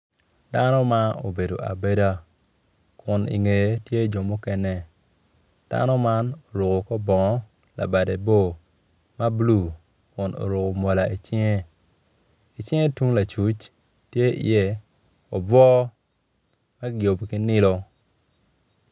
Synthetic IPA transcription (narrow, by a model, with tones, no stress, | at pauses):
d̥a˦nɔ˦ma˦o̰˨be˨do˨ʔa̰˨be˦da˦ | kʊ˨nḭ˨ŋe˨˦tje˦d͡ʒo˨mʊ˦kɛ˦nɛ˦ | d̥a̰˦nɔ˦ma˦no˨ɾo˨ko˨kɔ˦bɔ˨ŋɔ˦ | la̰˨ba˨de˨bo˦ | ma˦blu˨ | kʊ˨no̰˨ɾo˨ko˨mo˨la˨i˨t͡ʃɪ˦ŋe˦ | i˨t͡ʃɪ˦ŋe˦tu˦ŋla˨t͡ʃu˦t͡ʃ | tje˦ḭ˨jɛ˦ | ɔ˨bɔ˦ | ma˦ɡjo˨bki˦nɪ˦lo˦